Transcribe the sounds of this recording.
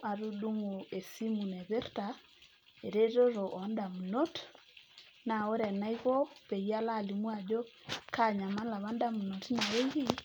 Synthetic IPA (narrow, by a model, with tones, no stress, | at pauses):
a˨ɾu˦ɗu˦ŋo˨e˨si˦mu˨nɛ˨βe˦rta˨ | e˨ɾe˦ɾo˦ɾo˨ʔɔ˨nda˨mu˨no˦t | na˨o˦ɾɛ˨na˦i˦ɣo˦pe˨ja˦la˦˨li˨mwa˨d͡ʒo˦ka˦˨ɲa˨ma˦la˨βa˦nda˦mu˨no˨tna˨e˦ɣi˦